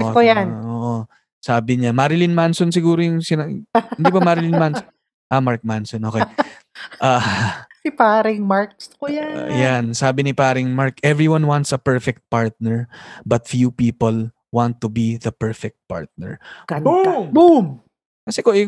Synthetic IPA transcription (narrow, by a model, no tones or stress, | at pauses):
ʔkojanʔoːʔo | saːbɪɲamaːɾɪlɪnmansonsɪɡuːɾojʊŋsɪnaɪndiibɐmaːɾɪlɪnmanso | ʔamaɹk̚mansɔnʔoːke | ʔasɪpaːɾɪŋmaɹkskoja̰jansaːbɪnɪpaːɾɪŋmaɹkʔɛvɹiwanwant̪sɐpɛɹfɛk̚t̪̚paɹt̪̚nɛɹbɐt̪̚fjupiːpol | wãnt̪ːʊbiðɐpɛɹfɛk̚t̪̚pa̰ɹt̪̚nɛ̰ɹ | bum | kɐsɛkoʔɪ